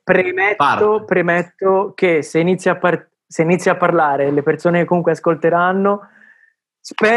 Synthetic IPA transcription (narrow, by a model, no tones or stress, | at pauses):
pɾemɛtːopɾemɛt̪ːokeseinit̪sːjapːar | seinit̪sːjapːarlaːɾelepersoːnekekːomuŋkweaskolt̪eɾanːo | spɛː